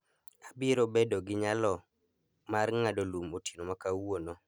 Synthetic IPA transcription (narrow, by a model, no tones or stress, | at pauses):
abiɾobedoɡɪɲalɔ | marŋadolumotinomakawonɔ